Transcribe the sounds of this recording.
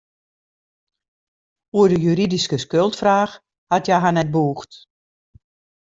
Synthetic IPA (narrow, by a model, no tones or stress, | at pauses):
uədəjyɾidiskəskølˠtfraːx | hatjɛɦanɛt̚buːxt